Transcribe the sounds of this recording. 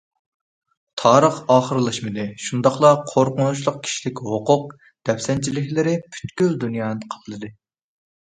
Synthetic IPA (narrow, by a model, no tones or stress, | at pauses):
t̪ʰɑːɾəχɑːχəɾɨlˠɑʃmɨd̪ɨʃund̪ɑχlˠɑqʰoɾqʊnut͡ʃlˠʊq̚kʲʰi̥ʃilɪkʲhoqʊq̚ | d̪̥ɛpsɛnt͡ʃʰilɪkʲlɪɾɪpʰy̥t̪kʲyld̪unjɑːnɨqʰɑ̥p̪ʰɨlˠɨd̪ɨ